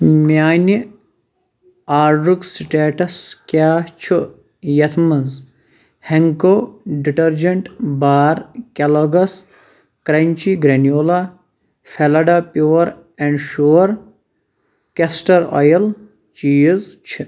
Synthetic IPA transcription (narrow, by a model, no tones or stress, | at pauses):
mjaːni | aːɾɖuksiʈeːʈɐskʲaːht͡ʃʰu | jɐt̪ʰmɐnz | heŋkoːɖiʈɐɾd͡ʒɐɳʈbaːɾkʲɐloɡɐs | kɾɐɲt͡ʃiɡɾɐnijoːla | fʰelɐɖapjuːɐɾ | ɛɳɖʃuːɐɾ | kesʈɐɾɔ̰jɐl | t͡ʃiːzt͡ʃʰi